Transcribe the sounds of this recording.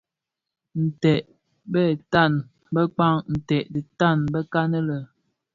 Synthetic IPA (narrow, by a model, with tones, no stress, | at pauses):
n̩˨tɛ˨ʔ | bə˦˨ta˦˨n | bə˦k͡pa˦ŋn̩˨tɛ˨ʔdi˨ta˦˨nbə˦ka˦nə˦lə˨